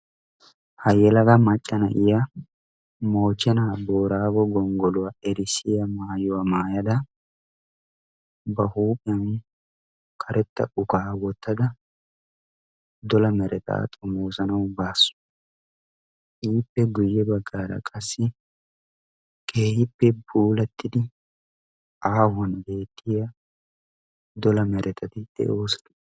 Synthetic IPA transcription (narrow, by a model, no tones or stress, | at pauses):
hɐjɛlɐɡɐmɐt͡ʃʼːɐnɐ̰ʔɪjɐ | moːt͡ʃːɛnaːboːɾaːɡɔɡɔŋɡɔlʊwaɛɾɪsːɪjɐmaːjʊwamaːjɐd̪ɐ | bɐhuːpʼɪjɐn | kʰɐɾɛt̪ːɐ̰ʊkaːwɔt̪ʰːɐd̪ɐ | d̪ɔlɐmɛɾʔɛt̪a̰ːt̪ʼɔmoːsɐnɐwbaːsːʊ̥ | iːpːɛɡʊjːɛbɐɡːaːɾɐ̰kʼɐsːɪ | kʰʼeːhɪpːɛbuːlɐt̪ːɪd̪ɪ | ʔaːhɐnbe̞ːt̪ʰːɪjɐ | d̪ɔlɐmɛɾʔɛt̪ʰɐt̪ɪd̪̥ɛ̰ʔoːsɐ̥d̪ʊ